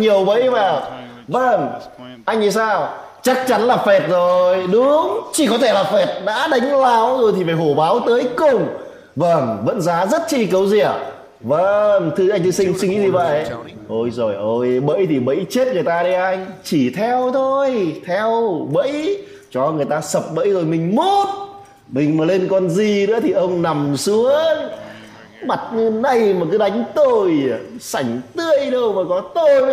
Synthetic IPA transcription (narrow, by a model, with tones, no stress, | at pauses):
ɲi˨˩əwɓə̰˧˥˦jvaː˨˩w | və˧˩ŋʔa˧jŋ̟i˧˩saː˧w | t͡ɕa˦˥k̚t͡ɕa˨˦nlaː˨˩fɛ˨˩t̚zo˨˩jɗʊ˨˦ŋ͡mt͡ɕi˧˩kɔ˨˦t̪ʰe˧˩laː˨˩fɛ˨˩t̚ɗa̰ː˧˥ɗa˨˦jŋ̟laː˨˧˦wzo˨˩jt̪ʰi˨˩vaː˧˩ho˧˩ɓaː˨˦wt̪əː˨˦jkʊ˧˩ŋ͡m | və˧˩nvə̰˧˥nzaː˨˦zə˦˥t̚t͡ɕḭ˧˥kə˨˦wzi˧˩ə | və˧nt̪ʰɨ˧ʔa˧jŋ̟t̪ɨ˧sï˧ŋ̟sɨ˧ŋḭ˧˥zi˧˩və̰˧˨jʔo˧˩jzo˨˩jʔo˧jɓə̰˧˥jt̪ʰi˨˩ɓə̰˧˥jt͡ɕe˦˥t̚ŋɨ˨˩əjt̪aː˧ɗi˧ʔa˧jŋ̟t͡ɕi˧˩t̪ʰɛ˧wt̪ʰo˧jt̪ʰɛ˧wɓə̰˧˥j | t͡ɕɔ˧˩ŋɨ˨˩əjt̪aː˧sə˨˩p̚ɓə̰˧˥jzo˨˩jmï˨˩ŋ̟mo˦˥t̚ | mï˨˩ŋ̟maː˨˩le˧nkɔ˧˩nzi˨˩nɨ̰˧˥ət̪ʰi˨˩ʔə˧wŋ͡mna˨˩msɨ˨˦ə | ma˨˩t̚ɲɨ˧na˧jmaː˨˩kɨ˨˦ɗa˨˦jŋ̟t̪o˧˩jsa˧˩jŋ̟t̪ɨ˧əjɗə˧wmaː˨˩kɔ˨˦t̪o˧j